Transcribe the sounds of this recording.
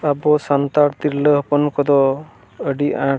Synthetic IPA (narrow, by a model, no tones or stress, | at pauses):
abɔsant̪aɾt̪iɾləɦɔpɔnkɔd̪ɔ | əɖiʔã